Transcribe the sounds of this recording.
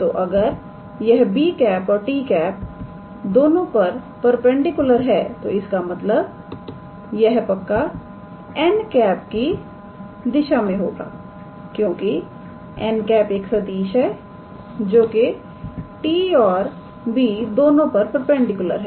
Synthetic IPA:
t̪oʔɐɡəɾ | jɛɦbiːkɛːpɔːɾʈiːkɛːp̚ | d̪oːnõpɐɾ | pɐɾpɛ̃ɳɖɪkjʊləɾɦɛːt̪oɪskamɐt̪ləb | jɛɦpɐkːa | ɛːnkɛːp̚ki | d̪ɪʃamẽɦoːɡa̰ː | kjõːki | ɛnkɛːpeːksɐd̪iːʃɦɛ | d͡ʒoːke | ʈiːɔːɾ | biːd̪oːnõpɐɾpəɾpɛ̃ɳɖɪkjʊlə̰ɾɦɛː

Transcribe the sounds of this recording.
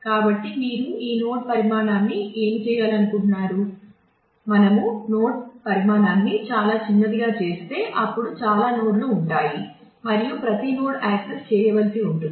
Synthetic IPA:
kaːbɐʈːimiːɾuiːno̞ːʈ̚pɐɾimaːnaːnːiʔeːmt͡ʃɛːjaːlɐnukuɳːaːɾu | mɐnɐmuno̞ːʈ̚pɐɾimaːnaːnːit͡ʃaːlaːt͡ʃinːɐd̪iɡaːt͡ʃe̞ːst̪e̞ːʔɐpːuɽut͡ʃaːlaːnoːɽluːɳʈaːji | mɐɾijupɾɐt̪ino̞ːʈaːksest͡ʃɛːjɐʋɐlisiuɳʈu

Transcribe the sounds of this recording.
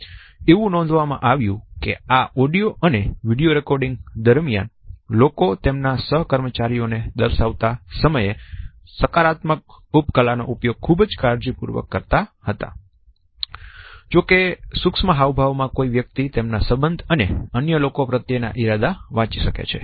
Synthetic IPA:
eʋũnɔ̃nd̪ʱʋamã̰ʔaʋjũkḛaɔɖijoʔəneʋiɽijoɾekɔɾɖĩŋɡd̪əɾmija̰nlokot̪emnasəɦkəɾmət͡ʃaɾijoned̪əɾʃaʋt̪asəməje | səkaɾat̪mək̚upkəlano̰ʔupjoɡ̚kʰubd͡ʒkaɾd͡ʒipṵɾʋə̰kːəɾt̪ahət̪a̰ | d͡ʒokesuksməɦaʋbʱaʋmãkoiʋjək̚t̪it̪emnasəbənd̪ʱəneənjəlokopɾət̪jena̰ʔiɾad̪aʋãt͡ʃiʃəkḛt͡ʃʰḛ

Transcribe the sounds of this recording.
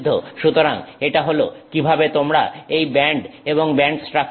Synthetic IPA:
d̪ʱːoʃut̪oɾaŋeʈaɦolo̰kibʱabet̪omɾa̰ejbɛɳɖeboŋbɛɳɖsʈɾak

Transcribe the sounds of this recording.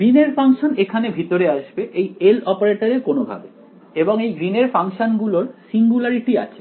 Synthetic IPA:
ɡɾineɾfaŋʃonekʰanebʱit̪oɾeaʃbeʔejelɔpaɾeʈoɾekonobʱa̰be | eboŋejɡɾineɾfaŋʃonɡuloɾsiŋɡulaɾiʈia̰t͡ɕʰe

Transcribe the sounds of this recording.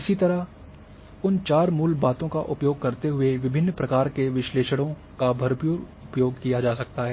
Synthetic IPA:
ɪsit̪ɐɾa | ʊnt͡ʃaːɾmuːlbaːt̪õka̰ʔʊpjoːɡ̚kɐɾt̪eɦʊeʋɪbʱɪnːpɾɐkaːɾkeʋɪʃleːʃəɽõ | kabʱɐɾpjuːɾ | ʊpjoːɡkijad͡ʒaːsɐk̚t̪aɦɛː

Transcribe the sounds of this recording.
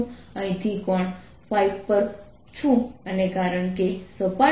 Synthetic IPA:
ə̃ĩt̪ʰikɔɳ | faibpəɾ | t͡ʃʰũənekaɾəɳkesəpa

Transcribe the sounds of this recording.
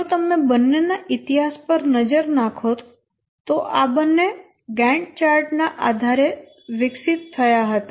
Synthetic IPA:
d͡ʒot̪əmebənːenaʔɪt̪iɦaspəɾnəd͡ʒəɾnakʰot̪ | t̪oʔabənːe | ɡɛ̃ɳʈ̚t͡ʃaɾʈnaʔad̪ʱaɾe | ʋɪksɪt̪ʰːəjaɦət̪a

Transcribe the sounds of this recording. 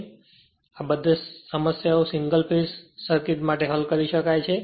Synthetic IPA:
abəd̪ʱesəməsjaosɪŋɡəlpesːəɾkit̪maʈeɦəlkəɾiʃəkajt͡ʃʰe

